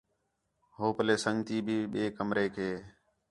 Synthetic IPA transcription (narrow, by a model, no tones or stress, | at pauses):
ɦoːpəleːsəŋɡt̪iːbʱiːɓeːkəmɾeːkʰeː